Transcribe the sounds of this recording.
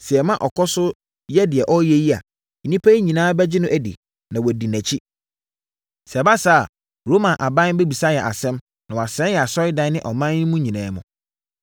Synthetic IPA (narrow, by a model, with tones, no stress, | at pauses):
sɛ˨ɛ˨mã˦ʔɔ˨kʰɔ˦sʊ˦ | jɛ˦dɪ˨ɛ˨ʔɔ˦jɛ˦ji˦a̰˨ | nĩ˦pʰæ˦i˦ɲĩ˨nãː˦bɛ˦d͡ʑɪ˦nʊ̃˦ʔæ˨dḭ˨ | nã˨wɔ˨di˨næ̃˨t͡ɕʰi˦ | sɛ˨ba˦saː˦a˨ | ɾoː˦mã˨nʔa˨bã˦n˦be˦bi˨sa˦jɛ˨ʔa̰˨sɛ̃˦m | nã˨wɔ˨a˨sɛ̃˦njɛ˨a˨sɔ˦ɾɪ˦dã˦nɪ̃˦ʔɔ˨mã˦nɪ̃˦mũ˦ɲĩ˨nãː˨˦mʊ̰̃˨